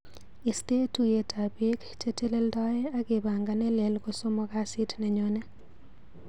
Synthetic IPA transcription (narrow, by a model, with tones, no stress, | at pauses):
i˨ste˦tu˨je˨tʰa˨bi˦kt͡ʃe˦te˦le˦ldɔ˦je˦a˦ɡe˨ba˨ŋɡa˨nɛ˦le˨lɡo˦so˦mo˦ka˦sɪ˦tne˨ɲo˦ne˦